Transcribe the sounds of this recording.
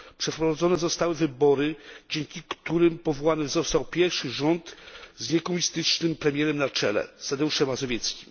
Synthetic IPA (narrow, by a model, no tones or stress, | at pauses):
pʂɛfpɾɔvad̪zɔnɛzɔst̪awɘvɘbɔɾɘd͡ʑɛŋkʲikt̪uɾɘmpɔvɔwanɛzɔst̪awpʲjɛɾfʂɘʐɔnt̪zɲɛkɔmuɲist̪ɘt͡ʂnɘmpɾɛmʲjɛɾɛmnat͡ʂɛ̰lɛ̰st̪ad̪ɛuʂɛmazɔvʲjɛt̪skʲim